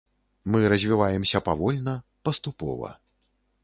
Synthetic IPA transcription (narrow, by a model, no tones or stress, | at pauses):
mɨɾɐzʲvʲivajɛmsʲɐpavɔlʲnɐpɐst̪upɔ̰vɐ̰